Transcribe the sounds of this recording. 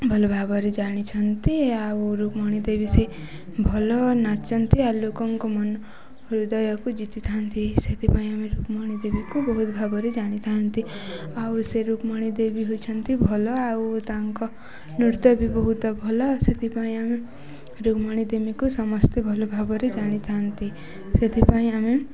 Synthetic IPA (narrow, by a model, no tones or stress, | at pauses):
bʱɔlɔbʱabɔɾed͡ʒaɽ̃it͡ʃʰʌnt̪iauɾukmɔɽ̃id̪ebise | bʱɔlɔnat͡ʃɔnt̪ʰialokɔŋkɔmɔn | ɾud̪ɔjɔkud͡ʒit̪it̪ʰant̪ʰiset̪ʰipaĩameɾukmɔɽ̃id̪ebikubɔɦut̪bʱabɔɾed͡ʒaɽ̃it̪ʰant̪i | awuseɾukmɔɽ̃id̪ebiɦot͡ʃʰʌnt̪ʰibʱɔlɔawt̪aŋkɔ | nuɾt̪ɔbʱibɔɦut̪ɔbʱɔlɔset̪ʰipaĩame | ɾukmɔɽ̃id̪ebikusɔmɔst̪ebʱɔlɔbʱabɔɾed͡ʒaɽ̃it̪ʰant̪i | set̪ʰipaĩame